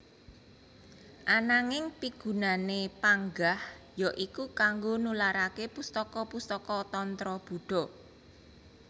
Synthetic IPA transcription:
ʔanaŋɪŋpiɡ̥ṳnanepaŋɡahjɔʔikukaŋɡonulaɾakepust̪ɔkɔpust̪ɔkɔt̪ɔnt̪ɾɔb̥ṳɖ̥ɔ̤

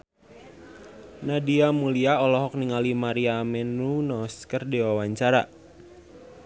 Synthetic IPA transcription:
nadiamuliaɔlɔɦɔk̚niŋalimaɾiamɛnunɔskərdiwawaɲt͡ʃaɾa̰

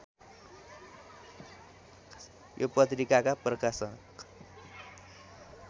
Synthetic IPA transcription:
jopʌt̪̬rikakaprʌkasʌnk

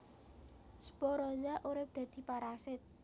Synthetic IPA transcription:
sə̥bɔɾɔzaʔuɾɪp̚d̪̥ä̤d̪̥i̤paɾasɪt̪̚

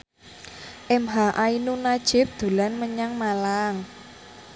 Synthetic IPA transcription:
ʔɛmɦaʔainunad̥ʒ̥ɪ̤p̚d̪̥o̤lanməɲaŋmalaŋ

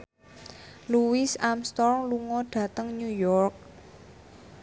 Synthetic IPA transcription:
luwisamst̪ɔrŋluŋɔɖ̥ä̤t̪əŋɲujɔrk̚

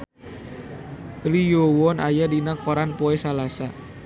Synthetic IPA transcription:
lijowɔnajadinakɔɾanpoɛsalasa

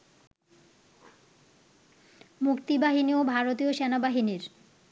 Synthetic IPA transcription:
mukt̪ibaɦiniobʱaɾot̪ioʃenabaɦiniɾ

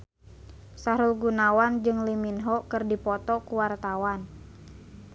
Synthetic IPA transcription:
saɾulɡunawand͡ʒɨŋliminɦɔkɨrdipɔt̪ɔkuwart̪awan

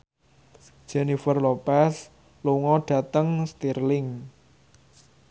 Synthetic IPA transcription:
d̥ʒ̥enifərlopɛs | luŋɔɖ̥ä̤t̪əŋst̪irlɪŋ

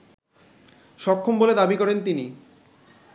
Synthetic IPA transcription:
ʃɔkʰːomboled̪abikɔɾent̪ini

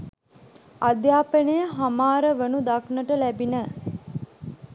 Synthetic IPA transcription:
ad̪jaːpənəjəɦamaːɾəʋənud̪aknəʈəlæbinə

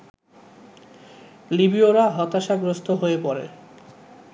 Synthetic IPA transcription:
libioɾaɦɔt̪aʃaɡɾost̪ʰoɦoepɔɾḛ

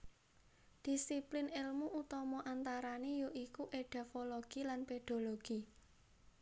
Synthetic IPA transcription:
d̪̥i̤siplɪnɪlmuʔut̪ɔmɔʔant̪aɾanejoʔikuʔeɖ̥ɛfoloɡ̥ilanped̪̥o̤loɡ̥i

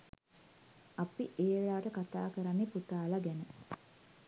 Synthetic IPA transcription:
apiʔeːɭaːʋəʈəkat̪a̰ːkəɾanːeput̪aːlaɡɛnə

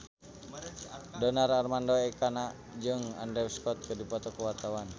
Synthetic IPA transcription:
dɔnararmandɔɛkanaʔ | d͡ʒɨŋandɾɛwskɔt̪̚kərdipɔt̪ɔkəwart̪awan

